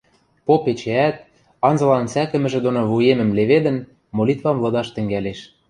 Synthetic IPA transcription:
popet͡ɕeæt̪̚ | ɑnzɤ̆lɑnsækɘ̆mɘ̆ʒĕd̪onoβujemə̆mleβed̪ə̆n | molʲit̪vɑmlɤ̆d̪ɑʃt̪ə̆ŋɡæleʃ

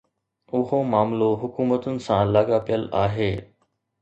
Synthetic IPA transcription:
ʊɦomaːmloɦʊkuːmət̪ʊnɪ̆sãlaːɠapijəlaːɦeː

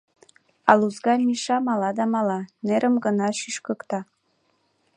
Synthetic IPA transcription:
ɑ̰luzɡɑmʲiʃɑmɑlɑd̪ɑmɑlɑneɾʔəmɡɤ̆nɑʃyʃkɤ̆kt̪ɑ

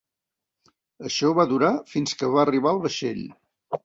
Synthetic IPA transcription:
əʃɔβaðuɾafinskəβaəriβ̞aəlˠβəʃḛʎ

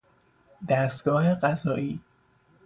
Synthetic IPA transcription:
d̪æst̪̚ɡ̥ɒːɦeɢæzɒːʔiː

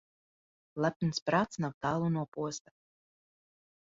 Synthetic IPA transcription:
lˠap̚nspɾaːt̪snawt̪aːlˠunuɔpuɔst̪ḁ

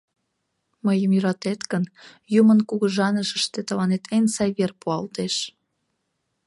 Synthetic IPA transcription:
məjəmjəɾɑt̪et̪kən | jumənkuɣəʒɑnəʃəʃt̪et̪əlɑnet̪ʰensɑjβerpuɑlt̪eʃ

